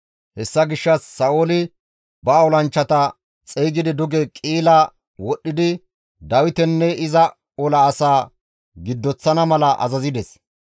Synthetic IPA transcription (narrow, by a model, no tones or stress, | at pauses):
hɛsːɐɡɪʃːɐsːɐʔoːlɪ | bɐːwlɐnt͡ʃːɐt̪ɐ | t͡sʼejɡɪd̪ɪd̪ʊɡɛkʼiːlɐ | wɔɗːɪd̪ɪ | d̪ɐwɪt̪ɛnːɛʔɪzɐ | ɔlɐːsaː | ɡɪd̪ːɔt͡sːɐnɐmɐlɐʔɐ̰zɐzɪd̪ɛs